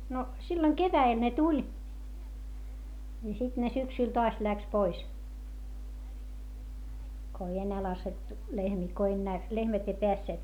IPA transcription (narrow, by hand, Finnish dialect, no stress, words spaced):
no silːoŋ keʋæel ne tulʲ jɑ sit ne syksyl toɑs læks pois ko ei enːæː lɑsetːu lehmiː ko enːæː lehmæt ei peæsːeːt